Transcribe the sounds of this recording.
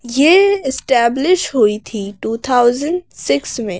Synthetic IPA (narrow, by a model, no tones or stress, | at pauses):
jeɪsʈɛːblɪʃɦʊit̪ʰiʈuːt̪ʰaːʊzə̃ɳɖsɪksmẽː